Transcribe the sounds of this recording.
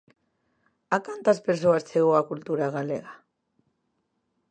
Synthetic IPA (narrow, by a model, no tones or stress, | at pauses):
akant̪aspeɾs̬oast͡seɣoakult̪uɾaɣalḛɣa